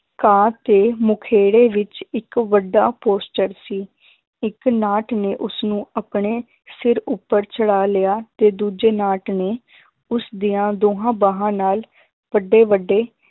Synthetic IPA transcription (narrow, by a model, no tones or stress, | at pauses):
kãːt̪eːmʊkʰeːɽeːʋɪt͡ʃɪkʋəɖaːpoːsʈəɾsiː | ɪknaːʈneːʔʊsnũːəpɳeː | sɪɾʊpːəɾt͡ʃəɽaːlɪjaːt̪eːd̪uːd͡ʒeːnaːʈneː | ʊsd̪ijãːd̪oːɦãːbaːɦãːnaːl | ʋəɖeːʋəɖːeː